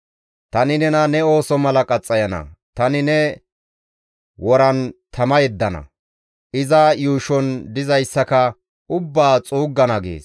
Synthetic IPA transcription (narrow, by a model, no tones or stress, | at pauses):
t̪ɐnɪnɛnɐnɛo̞ːsɔmɐlɐkʼɐt͡sʼːɐjɐnɐ̰t̪ɐnɪnɛ | wɔɾɐnt̪ʰɐmɐjɛd̪ːɐnɐ̰ | ʔɪzajuːʃɔnd̪ɪzɐjsːɐkɐ | ʊbːaːt͡sʼuːɡːɐnɐɡḛːs